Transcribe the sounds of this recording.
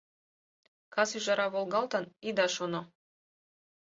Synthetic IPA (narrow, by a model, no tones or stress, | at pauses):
kʰɑsyʒɑɾɑβolˠɡɑlˠt̪ɑnid̪ɑʃono